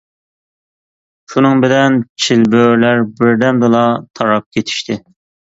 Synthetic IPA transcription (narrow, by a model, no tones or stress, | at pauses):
ʃunɨŋbɪlɛnt͡ʃʰilbøɾlæɾbɪɾd̪ɛmd̪ɨlˠɑt̪ʰɑɾɑp̚kʲʰet̪ʰi̥ʃt̪ʰɪ